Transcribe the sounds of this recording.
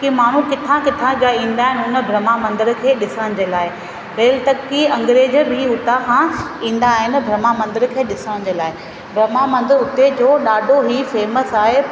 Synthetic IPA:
kimaːɳ̤ukɪt̪ʰãkɪt̪ʰãd͡ʑaĩːnd̪aːɦɪnʊnə̆bʱɾɐmamɐ̃nd̪ɪɾkʰeːɗɪsəɽə̃d͡ʑeːlaːɪ | keːlɪt̪ɐkːiɐ̃ŋɡɾeːd͡ʑɾiːʊt̪akʰãːĩːn̆d̪aːɦɪnbʱɾɐmamɐ̃nd̪ɪɾkʰeːɗɪsəɽ̃̆d͡ʑeːlaːɦɪ | bʱɾɐmamɐ̃nd̪ɪɾʊt̪ed͡ʑoːɗaːɖʱoɦiːfeːməsaːɦe

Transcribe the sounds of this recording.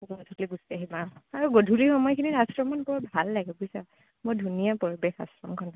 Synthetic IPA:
zɔtʰɔkliɡusi̥taɦibaaɹuɡodʱuɹixɔmɔjkʰiniɹasɹɔmanpɔɹabʱalːaɡɛbosa | mojdʱunijapɔɹibexa̰sɹɔmkʰɔn

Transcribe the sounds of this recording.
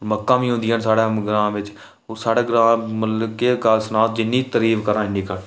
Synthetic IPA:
oɾməkːãːbĩːɦʊ̃nd̪iːənsaːɽaːɡɾãːmʋɪt͡ʃ | oːɾsaːɽeːɡɾaːməlkeɡaːlsənaːt̪̚d͡ʒɪnːiːt̪əɾiːʋkəɾãːɪnːiːkəɾ

